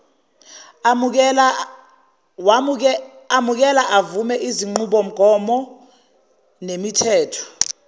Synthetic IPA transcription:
amuk̬ɛlaʔavumɛʔiziŋ͡ǃuɓɔm̩ɡ̥ʱɔmɔ | nemitʰɛːtʰɔ̥

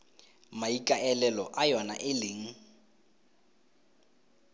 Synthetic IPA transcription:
maikʼaɛlɛlɔʔajɔna̰ʔɪlɪŋ̩

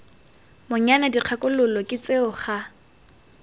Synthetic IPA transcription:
mʊɲanadiq͡χʰakʼʊlʊlɔkʼɪt͡sʼeʊχa

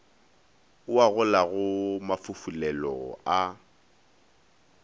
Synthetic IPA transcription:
ʊaɣʊlaɣʊmafʊfulɛlɔ̰a

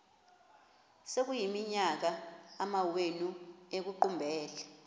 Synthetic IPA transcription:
sek̬ujimiɲak̬aamawenuek̬uǃumbʱɛːlɛ

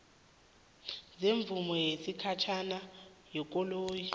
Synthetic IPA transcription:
zeɱvumɔjesikʰat͡ʃʰanajɔk̬ʼɔloːji

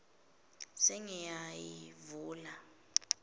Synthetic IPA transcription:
sɛŋɛjajivuːla

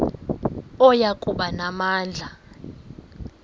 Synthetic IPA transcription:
ɔjakʼuɓanamaːnd͡ɮʱa

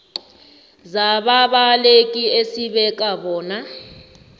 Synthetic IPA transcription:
zaɓaɓalek̬ʼiesiɓɛk̬ʼaɓɔːna

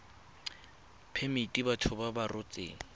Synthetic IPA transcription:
pʰemitʼibatʰʊbabarʊt͡sʼḛːŋ̩

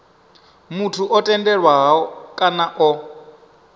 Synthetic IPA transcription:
mutʰuʔɔtʼɛndɛɺwaɦaɔkʼanaʔɔ

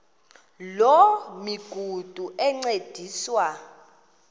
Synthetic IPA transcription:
lɔmiɡ̥ʱud̥ʱuʔɛŋ͡ǀed̥ʱiːswa

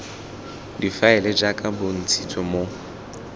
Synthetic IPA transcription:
difaɛlɛd͡ʒakʼabʊn̩t͡sʰitʰʼɔmo

